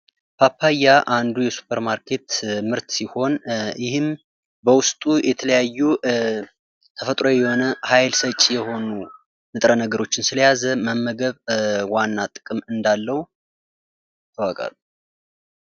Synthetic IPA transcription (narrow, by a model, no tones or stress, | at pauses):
pʰapʰːajaʔand̪ujɛsu̥pʰəɾmaɾkʰe̞t̪mɨɾt̪siho̞njɪhɨm | bəwʊst̪ʼujɛt̪ʰələjajːu | t̪ʰəfət̪ʼɾo̞jɛho̞nəhajlsət͡ʃʼjɛho̞nu | mɨt̪ʼɾənəɡəɾo̞t͡ʃːɪnsɨləjazəməmːəɡəβwanːat̪ʼɨ̥kʼɨmɨnd̪alːəwu | t̪ʰːəwəkʼa̰lu